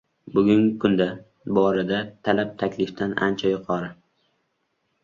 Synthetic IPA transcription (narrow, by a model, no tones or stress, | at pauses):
bʊɡʲʊŋʲɪkʰʊnd̪a | bɒɾad̪at̪ʰalap̚t̪ʰakʲlɪft̪anʔa̰nt͡ʃʰajʊqʰɒɾɪ